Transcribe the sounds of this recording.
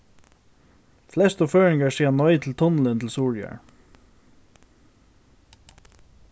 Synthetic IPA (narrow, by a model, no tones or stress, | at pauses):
flɛst̪ʊføːɹɪŋɡɑɹsiːʁnɔʏt̪ʰl̩t̪ʰʊnl̩ɪnt̪ʰl̩suːɹjœ̰ɹ